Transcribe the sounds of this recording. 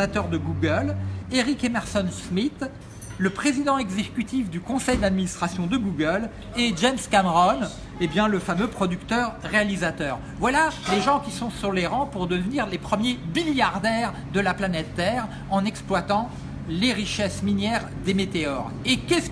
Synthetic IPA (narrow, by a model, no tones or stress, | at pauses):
at̪œʁd̪əɡuɡəleʁikemɛʁsɔnsmit̪ | ləpχezid̪ɑ̃ɛɡzekʲyt̪ifd̪ykɔ̃sɛjd̪ad̪minist̪χasjɔ̃d̪əɡuɡəl | eʒɛmskamʁɔn | ebjɛ̃ləfamøpχɔd̪ykt̪œʁːealizat̪œːʁ | vwalaleʒɑ̃kʲisɔ̃syʁleʁɑ̃puʁd̪əvniʁlepχəmjemiljaʁd̪ɛʁ | d̪əlaplanɛt̪ːɛʁ | ɑ̃nɛksplwat̪ɑ̃ | leʁiʃɛsminjɛʁ | d̪emet̪eɔʁ | ekʲɛs